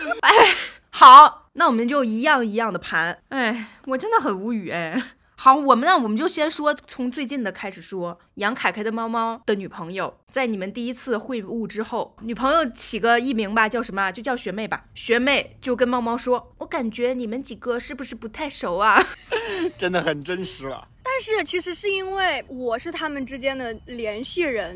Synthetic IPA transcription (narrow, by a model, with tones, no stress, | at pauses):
e˥˩ɪ | xɑ˨˩˦ʊ | na˥˩wɔ˨˩mə˦nt͡ɕjo˥˧ʊi˧˥jɑ˥˩ŋi˧˥jɑ˥˩ŋd̪ə˩pʰa˧˥ne˥˩ɪ | wɔ˨˩ʈ͡ʂə˥nd̪ə˨xə˨˩nu˧˥y˨˩e˧˩ɪ | xɑ˧˩˦ʊwɔ˨˩mə˦na˥˩wɔ˨˩mə˦nt͡ɕjo˥˩ʊɕi˥ʂwɔ˥t͡sʰʊ˧˥ŋt͡swe˥˧ɪt͡ɕi˥˩nd̪ə˩kʰa˥ɪʂɻ̩˨˩ʂwɔ˥ | jɑ˧˥ŋkʰa˨˩ɪkʰa˥ɪd̪ə˧mɑ˥ʊmɑ˥ʊd̪̥ə˨ny˨˩pʰɤ˧˥ŋjo˨˧ʊt͡sa˥˩ɪni˨˩mə˦nt̪i˥˩i˥t͡sʰɹ̩˥˩xwe˥˧ɪu˥˩ʈ͡ʂɻ̩˥xo˥˩ʊny˨˩pʰɤ˧˥ŋjo˧ʊt͡ɕʰi˨˩ɡə˦i˥˩mi˧˥ŋbɐ˧t͡ɕjɑ˥˩ʊʂə˧˥nmə˧t͡ɕjo˥˧ʊt͡ɕjɑ˥˩ʊɕɥɛ˧˥me˥˩ɪbɐ̰˩ɕɥɛ˧˥me˥˩ɪt͡ɕjo˥˩ʊk̬ə˥nmɑ˥ʊmɑ˥ʊʂwɔ˥wɔ˧˥ka˨˩nt͡ɕɥɛ˧˥ni˨˩mə˦nt͡ɕi˨˩ɡə˧ʂɻ̩˥˩bu˩ʂɻ̩˥˩pu˧˥t̪ʰa˥˩ɪʂo˨˩ʊa˧ | ʈ͡ʂə˥nd̪ə˨xə˨˩nʈ͡ʂə˥nʂɻ̩˧˥lɐ̰˧t̪a˥˧nʂɻ̩˥˩t͡ɕʰi˧˥ʂɻ̩˧˥ʂɻ̩˥˧i˥nwe˥˩ɪwɔ˨˩ʂɻ̩˥˩t̪ʰa˥mə˨nʈ͡ʂɻ̩˥t͡ɕjɛ˥nd̪ə˨ljɛ˧˥nɕi˥˩ɻə˧˥n